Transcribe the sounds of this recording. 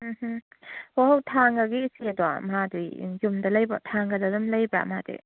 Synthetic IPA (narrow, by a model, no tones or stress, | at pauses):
m̩ɦ̩ | oɦwtʰaŋɡaɡiːsiadua̰mɦaduj̰jumdɐlɐjbatʰaŋɡɐdadumlajba̰madḛ